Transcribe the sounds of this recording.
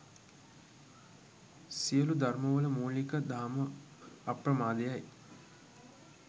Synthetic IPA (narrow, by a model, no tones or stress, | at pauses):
sijəlud̪arməʋələmoːlikəd̪aːmə | apɾəmaːd̪ejaj